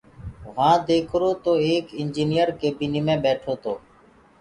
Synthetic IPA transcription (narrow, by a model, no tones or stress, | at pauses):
ʋãːd̪eːkʰɾoːt̪oːeːkɪnd͡ʒiːnɪjəɾkeːbiːniːmẽːɓɛːʈʰoːt̪oː